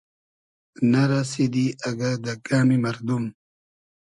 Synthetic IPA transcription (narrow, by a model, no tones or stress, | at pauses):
naɾasid̪iaɡad̪akaːmimɐɾd̪um